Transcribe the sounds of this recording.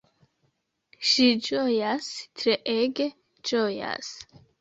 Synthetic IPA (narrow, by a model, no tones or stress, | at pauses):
ʃid͡ʒʼɔjast̪ʰɾɛʔɛɡɛ | t͡ʃʼɔja̰s